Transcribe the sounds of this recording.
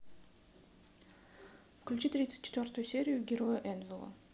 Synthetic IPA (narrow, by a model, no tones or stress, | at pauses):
fklʲʉt͡ɕit̪ɾʲit̪sɨt̚ʲt͡ɕːɪ̥t̪vʲort̪ʊjʊsʲeɾʲɪjʊɡʲɪɾojəʔɛnvʲɪlˠo̰